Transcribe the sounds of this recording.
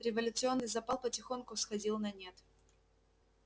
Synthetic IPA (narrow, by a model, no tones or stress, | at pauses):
ɾʲɪvɐlʲʊt̪sɨo̞nːɨjzɐpalˠpətʲɪxo̞nkʊsxɐdʲilˠnɐnʲet̪